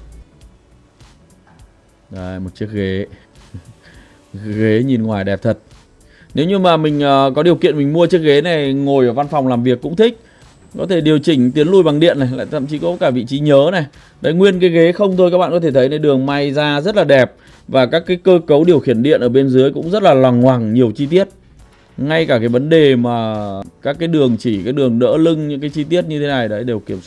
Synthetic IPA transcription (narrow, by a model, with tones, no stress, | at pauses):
ɗa˨˧˩jmo˨˩t̚t͡ɕɨ˦˥ək̚ɣe˨˦ | ɣe˨˦ɲi˨˩nŋwaː˨˩jɗɛ˨˩p̚t̪ʰə˨˩t̚ | ne˨˦wɲɨ˧maː˨˩mï˨˩ŋ̟ʔəː˨˩kɔ˨˦ɗi˨˩əwkḭ˧˨ənmï˨˩ŋ̟mu˧ət͡ɕɨ˦˥ək̚ɣe˨˦na˨˩jŋo˨˩jʔəː˧˩va˧nfɔ˨˩wŋ͡mlaː˨˩mvi˨˩əkːʊ̰˧˥ŋ͡mt̪ʰï˦˥k̟̚ | kɔ˨˦t̪ʰe˧˩ɗi˨˩əwt͡ɕï˧˩ŋ̟t̪i˨˦ənlu˧˩jɓa˨˩ŋɗḭ˧ənːa˨˩jla̰ː˧˨jt̪ʰə̰˧˨mt͡ɕi˨˦kɔ˨˦kaː˧˩vḭ˧˨t͡ɕi˨˦ɲəː˨˦na˨˩j | ɗə˨˦jŋwi˧ənkaː˨˦jɣe˨˦xə˧wŋ͡mt̪ʰo˧jkaː˦˥ɓa̰ː˧˨kɔ˨˦t̪ʰt̪ʰə˨˦jna˨˩jɗɨ˨˩əŋma˧jzaː˧zə˦˥t̚laː˨˩ɗɛ˨˩p̚ | vaː˨˩kaː˦˥kːaː˨˦jkəː˧kə˨˦wɗi˨˩əwxi˧˩ənɗḭ˧˨ənʔəː˧˩ɓe˧nzɨ˨˦əjkʊ̰˧˥ŋ͡mzə˦˥t̚laː˨˩lɔ˨˩ŋːwaː˨˩ŋɲi˨˩əwt͡ɕi˧t̪i˦˥ət̚ | ŋa˧jkaː˧˩kaː˨˦jvə˨˦nɗe˨˩maː˨˩kaː˦˥kːaː˨˦jɗɨ˨˩əŋt͡ɕi˧˩kaː˨˦jɗɨ˨˩əŋɗə̰ː˧˥lɨ˧ŋɲɨ˧˥kaː˨˦jt͡ɕi˧t̪i˦˥ət̚ɲɨ˧t̪ʰe˨˦na˨˩jɗə˨˦jɗe˨˩wki˧˩əms